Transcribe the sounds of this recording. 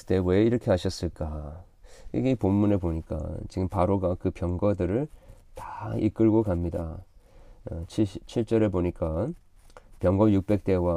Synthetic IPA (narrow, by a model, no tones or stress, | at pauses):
te̞we̞iɾʌkʰe̞ɦaɕʰʌs͈ɯɭk͈a | ḭɡeipomːuneboɲik͈a̰t͡ɕiɡɯmpaɾoɡakɯpjʌŋɡʌdɯɾɯɭtḁḭk͈ɯɭɡokamɲida̰ | t͡ɕʰit͡ɕʰiɭt͡ɕ͈ʌɾeboɲik͈a | pjʌŋɡʌjuk̚p͈e̞k̚t͈e̞wa